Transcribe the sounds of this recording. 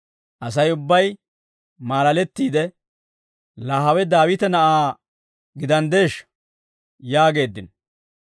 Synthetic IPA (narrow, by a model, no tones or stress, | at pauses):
ʔɐs̬ɐjʊbːɐj | maːlɐlɛt̪ːiːd̪ɛ | laːɦɐwɛd̪aːwɪt̪ɛnɐʔaː | ɡɪd̪ɐnd̪e̞ːʃ | jaːɡe̞ːd̪ːɪn